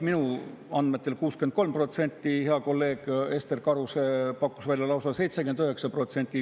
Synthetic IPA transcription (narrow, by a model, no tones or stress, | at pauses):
minuɑnd̪me̞t̪ːˑe̞lkuːskenko̞lmpro̞t̪se̞nʲt̪ːˑihe̞ɑko̞lːe̞ːɡ̥e̞st̪e̞rkɑɾusepɑkːˑusvælʲjɑlɑwsɑse̞jt̪sekend̪øɦe̞ksɑpro̞t̪se̞nʲt̪ʲːˑi